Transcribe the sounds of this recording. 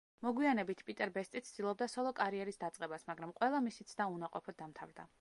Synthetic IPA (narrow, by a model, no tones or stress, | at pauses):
mɔɡwianɛbit̪ʰpʼit̪ʼɛɾbɛst̪ʼit̪sʰd̪̥ilˠɔb̚d̪asɔlˠɔkʼaɾiɛɾisd̪at̪sʼqʼɛbasmaɡɾamqʼwɛlˠamisit̪sʰd̪aunaqʼɔpʰɔd̪̚d̪amt̪ʰavɾd̪a